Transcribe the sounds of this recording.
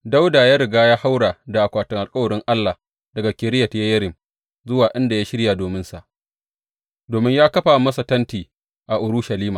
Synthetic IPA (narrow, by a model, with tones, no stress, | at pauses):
da˦wdaː˨jaː˦ɾɪ˨ɡaː˦jaː˦ha˦wɽaː˨da˨ʔa˨kʷaː˨tʊ˨ŋʔa˨lkʼɐ˦wɐ˨ɾɪ˦ŋʔa˦lːaː˨ | dɐ˨ɡa˨kʲɪ˨ɾɪ˦jɐ˨tjɐ˦jɐ˦ɾɪ˨m | zʊ˦waː˨ʔɪ˦nda˨jaː˦ʃɪ˦ɽja˨doː˨mɪ˦nsa˨ʔ | doː˨mɪ˦ɲjaː˦kɐ˦ɸaː˨mɐ˦sa˨tɐ˦ntiː˨ | ʔa˨ʔʊ˨ɾʊ˦ʃa˨liː˦maː˨